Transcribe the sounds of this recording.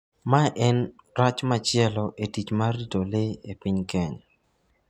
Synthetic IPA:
maʔɛn | ɾat͡ʃmat͡ʃɪɛlɔʔetit͡ʃmaɾitoleepiɲkɛɲ

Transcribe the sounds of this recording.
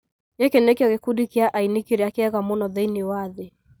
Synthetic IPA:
jɛkɛnɛkiɔɣɛkudikiaʔainikiɾiakɛɛɣamunɔðɛiniwaði

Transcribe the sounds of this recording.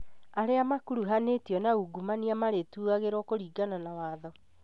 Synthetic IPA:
aɾeamakuɾuɦanetiɔnauɡumaniamaɾetuːaɣeɾwɔkoɾiːɡananawaːðɔ

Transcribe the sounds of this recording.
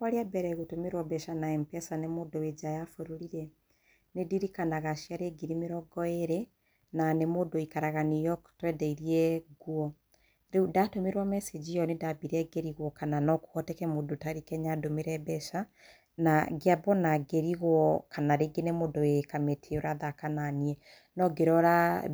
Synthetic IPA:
kwaɾiabɛɾɛɣotomeɾwabɛʃanaɛmpɛsanemoːdowed͡ʒajafoɾoɾiɾɛ | nediɾikanaɣaʃjaɾeɡiɾimeɾɔɡɔeɾe | nanemodoikaɾaɣanijɔktɾɛdɛiɾiɛɡwɔ | ɾeudatomeɾwamɛsed͡ʒijɔnedabiɾɛɡeɾiɣwɔkananɔku̥ɣɔtɛkɛmodotaɾikɛɲadomeɾɛbɛʃa | naɡeabɔnaɡeɾiɣwɔkanaɾeɡenemoːdoekametʰeoɾaðakananiɛ | nɔɡeɾɔɾa

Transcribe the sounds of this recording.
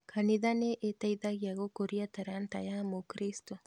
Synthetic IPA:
kʰaniðaneʔet̪ajðaɣiaɣokoɾiat̪aɾant̪ajamokɾist̪o

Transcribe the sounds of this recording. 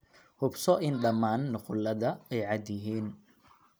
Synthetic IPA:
hʊbsɔʔɪnɖɐmaːnːʊqʊlɐðɐɛjʕɑd̪jɪɦiːn

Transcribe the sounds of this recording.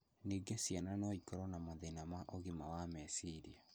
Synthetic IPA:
niɡesjananɔikɔɾɔnamoðenamaʔoɣimawamɛsiɾia

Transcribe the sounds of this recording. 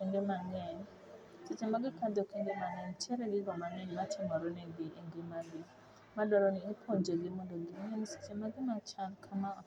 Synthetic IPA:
iŋɡemaŋɛn | sɪt͡ʃemaɡɪkad̪ɔkiŋɡemaŋɛnt͡ʃɛɾɛɡɪɡɔmanɛnmatʰɪmɔɾɔnɛɡɪʔiŋɡemaɡi | madɔɾɔniipʰoɲd͡ʒeɡɪmɔndɔɡɪmŋɛnsi̥t͡ʃemaɡɪmat͡ʃalkʰama

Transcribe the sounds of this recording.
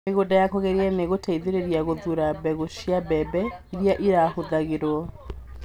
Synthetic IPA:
meɣodajakɔɣɛɾiɛneɣotʰaiðeɾeɾiaɣoðuɾabɛɣoʃjabɛbɛiɾiaʔiɾahoðaɣeɾwɔ

